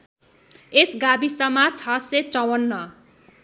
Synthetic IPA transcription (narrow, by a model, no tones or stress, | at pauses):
esɡabisʌmat͡sʰʌset͡sʌwʌnːʌ